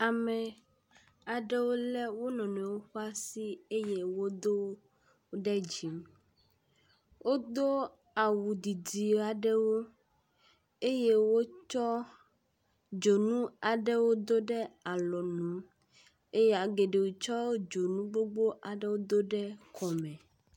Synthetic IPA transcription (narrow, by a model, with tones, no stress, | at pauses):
a˨mɛ̃˨ | a˨ɖɛ˦wo˦lɛ˦wo˦nɔ̃˨nɛ̃˨wo˦xo˦a˦si˦e˦je˦wo˦d̪o˦ | ɖɛ˦d͡ʑi˨m | wʔo˦d̪o˦ | a˨wu˨d̪i˨di˨a˨ɖɛ˦wo˦ | e˦je˦wo˦t͡ʃɔ˦ | d͡ʒo˨nũ˦a˨ɖɛ˦wo˦d̪o˦ɖɛ˦a˨lɔ˨nũ˨˦ | e˦je˦a˨ɡe˨ɖe˨wu˨t͡ʃɔ˦o˦d͡ʒo˨nũ˦ɡ͡bo˦ɡ͡bo˦ʔa˨ɖɛ˦wo˦d̪o˦ɖɛ˦kʰɔ˨mɛ̃˨